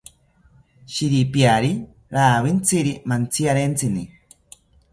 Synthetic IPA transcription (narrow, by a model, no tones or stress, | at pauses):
ʃiɾipjaɾi | ɾaːβint͡siɾimant͡sʰiaɾent͡sʰini